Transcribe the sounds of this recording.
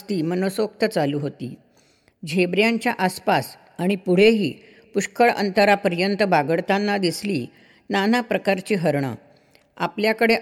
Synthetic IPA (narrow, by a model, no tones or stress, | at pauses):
t̪iːmənosʋokt̪ət͡saluːɦot̪ḭː | d͡ʑʱebɾjaɲt͡ɕjaʔaspas | aɽ̃ipuɽ̤eɦḭː | puɕkəɭə̰nt̪əɾapəɾjənt̪əbaɡəɭt̪ãnːad̪isliː | nanapɾəkaɾt͡ɕiːɦəɾɳə̰ | a̰pljakəɽe